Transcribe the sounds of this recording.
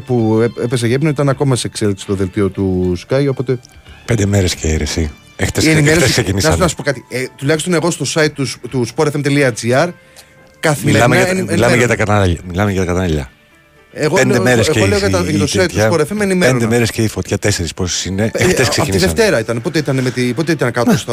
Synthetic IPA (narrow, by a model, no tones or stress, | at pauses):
pueepes̬ɐʝepnoit̪ɐnɐko̞mɐsekseliksi̥st̪oðelt̪io̞t̪uskɐjo̞po̞t̪e̞ | pnd̪emeɾesceeɾesi | ext̪esieimeɾsesksecinisɐonɐsu̥po̞kɐt̪it̪ulɐkçist̪o̞ne̞ɣo̞st̪o̞sɐit̪̚ːut̪uspoɾefemt̪eliɐd͡ziɐɾ | kɐθimilɐmeɐɐieilɐmeʝɐt̪ɐkɐt̪ɐnʎɐmilɐmeʝɐt̪ɐkɐt̪ɐnɐiʎɐ̰ | eɣoeemeɾeseeoeokɐɐðɐt̪osɐit̪sɐpoɾefemenimeend̪emeɾesceifot̪çɐt̪ese̞ɾisposi̥sineʔext̪eskseɐfiiðefnt̪e̞ɾɐit̪ɐnepo̞t̪eit̪ɐnemet̪ipo̞t̪eit̪ɐnkɐt̪ost̪